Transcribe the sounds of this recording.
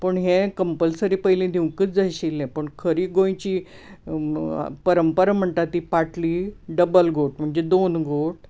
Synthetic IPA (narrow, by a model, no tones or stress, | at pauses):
pəɳɦẽkəmpəlsəɾipəjlẽd̪ʱiw̃kət͡sd͡zaɕilːɛ̃pəɳkʰəɾiːɡõj̃t͡ɕiː | pəɾəmpəɾam̤əɳt̪at̪ːiːpaʈliːɖəbəlɡʱoʈ̚m̤əɳd͡zed̪onɡʱoʈ